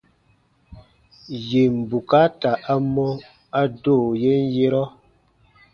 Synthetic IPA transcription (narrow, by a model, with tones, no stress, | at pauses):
je˨m̩˨bu˨ka˦ta˨ʔa˦mɔ˦ | a˦do˦˨je˦n˦je˦ɾɔ˦